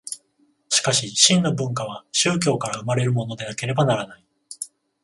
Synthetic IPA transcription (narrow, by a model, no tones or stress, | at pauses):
ɕi̥kaɕiɕĩnːo̞bɯ̟̃ŋkaβ̞aɕɨːk̬ʲo̞ːkaɾaɯ̟maɾe̞ɾɯ̟mo̞no̞d̪e̞nake̞ɾe̞banaɾanai